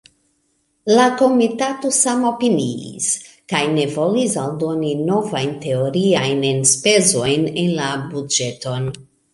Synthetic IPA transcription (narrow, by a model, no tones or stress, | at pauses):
lako̞mitato̞samo̞piniḭs | kajne̞vo̞lisaldo̞nino̞vajnte̞oɾiajnenspe̞zo̞jnenlabud͡ʒe̞to̞n